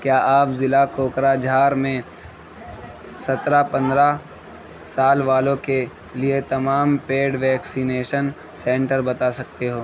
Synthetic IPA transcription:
kjaːʔaːpzɪlakoːkɾad͡ʒʱaːɾmẽ | sɐt̪ɾapɐ̃nd̪ɾa | saːlʋaːlõke | liet̪ɐmaːmpeːɖʋɛːksineːʃən | sɛ̃ːɳʈəɾbɐt̪asɐk̚t̪eɦoː

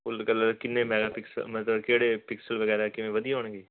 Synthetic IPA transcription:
ʊlkɐlɐkɪnːemɛːɡapɪksə̰mɐt̪əbkeːɽepɪksəlʋɐɣɛːɾakɪʋẽʋɐd̪ʱijɦoːɳɡiː

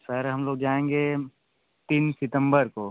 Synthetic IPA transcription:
səɾɦɐmloːɡ̚d͡ʒaːẽːŋɡe | t̪iːnsɪt̪ə̃mbəɾkoː

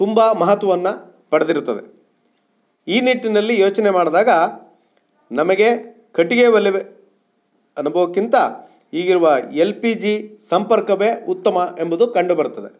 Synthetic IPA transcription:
t̪umbɐmɐɦɐt̪ʋɐʋɐnːɐ | pɐɽed̪iɾut̪ːɐd̪e | iːniʈːinɐlːijoːt͡ʃɐnemaːɽd̪aːɡɐ | nɐmɐɡe̞ | kɐʈːiɡeʋɐlːiʋe | ɐnubʱɐʋɐkːint̪ɐ | iːɡiɾuʋɐe̞lpid͡ʒisɐmpɐɾkɐʋeut̪ːɐmɐʔe̞mbud̪ukɐɳɖubɐɾut̪ːɐd̪e̞̰

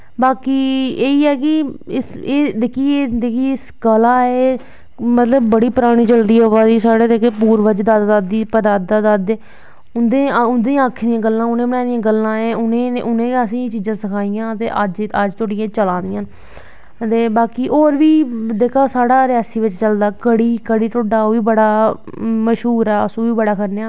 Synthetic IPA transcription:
baːkiːeːiːɛːk̬ɪɪseːd̪eːkʰiːed̪ekʰiːɪsɡəlãːɛː | mət̪ləbːəɽiːpəɾaːɽ̃iːd͡ʒəld̪iːoʋaːd̪iːsaːɽeːd̪ekepuːɾʋəd͡ʒd̪aːd̪d̪ad̪iːpəd̪aːd̪aːd̪ad̪eː | ʊnd̪ẽːʊnd̪ĩaːkʰːd̪ijãːɡəlːãːʊnẽːbəɽaːd̪ijãːɡəlːãːẽːʊnẽːʔʊnẽːəsĩːt͡ʃiːd͡ʒãːsəkʰaːɪjãːt̪ḛːʔəd͡ʒəd͡ʒt̪ʰʊɽɪjãːt͡ʃəlãːnd̪ɪjãː | t̪eːbaːkiːʔoːɾʋiːd̪eːkʰaːsaːɽaːɾɪaːsiːʋɪt͡ʃt͡ʃəld̪aːkəɽiːkəɽiːʈ̪oɖaːoːʋiːbəɽaː | məʃɦuːɾɛːəsũːʋiːbəɽaːkəɾneaː

